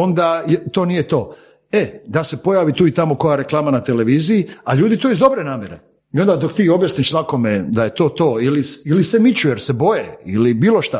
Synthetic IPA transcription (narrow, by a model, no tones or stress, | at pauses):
o̞nd̪ajet̪o̞ːnijet̪o̞ː | ed̪ase̞po̞jaːʋit̪uːit̪amo̞ko̞jaɾe̞klˠaːmanat̪ele̞ʋiːzijiaʎuːd̪it̪oizd̪o̞bɾe̞naːmje̞ɾe̞̰ | io̞nd̪ad̪o̞k̚t̪iːo̞bjasniʃsako̞med̪aje̞t̪o̞ːt̪o̞ːilisilisemit͡ɕujeɾsebo̞jeilibiːloʃt̪a